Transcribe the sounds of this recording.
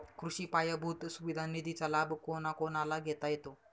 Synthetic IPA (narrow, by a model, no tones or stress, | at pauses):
kʰɾuɕiːpajabʱut̪suʋid̪ʱanid̪ʱit͡salabʱkonakonalaɡʱet̪ajet̪o